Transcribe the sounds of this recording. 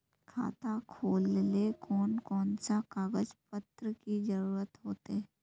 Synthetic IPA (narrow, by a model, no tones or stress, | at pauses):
kʰa̰ːt̪akʰoːllekʰɔːnkɔːnsakaːɡəd͡ʒpət̪ɾəkid͡ʒəɾuːɾət̪ɦoːt̪e